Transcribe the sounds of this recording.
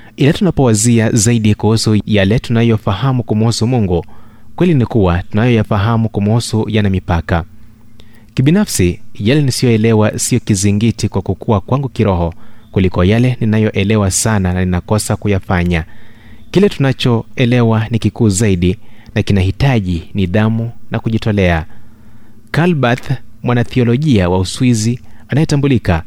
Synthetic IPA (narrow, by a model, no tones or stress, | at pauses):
ilatunapɔwaziazaiɗikuhusujalɛtunajɔfahamukumuhusumuŋɡukwɛlinikuwatunajɔjafaɦamukumuhusujanamipaka | kiɓinafsijalɛnisijɔɛlɛwasiɔkiziŋɡitikwakukuakwaŋɡukiɾɔɦɔkulikɔjalɛninajɔʔɛlɛwasanananinakɔsakujafaɲa | kilɛtunat͡ʃɔɛlɛwanikikuːzaiɗinakinaɦitaʄiniðamunakuʄitɔlɛa | kalbaθmwanaθiɔlɔʄiawauswizianajɛtambulika